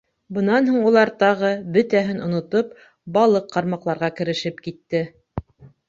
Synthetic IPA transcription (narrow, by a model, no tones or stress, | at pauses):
bɤ̆nɑnɦuɴulˠɑɾt̪ɑʁɤbɵ̆t̪æɦɘnŏnŏt̪op̚ | bɑlˠɤqːɑɾmɑqlˠɑɾʁɑkɘ̆ɾɘ̆ʃɘpkit̪ːɘ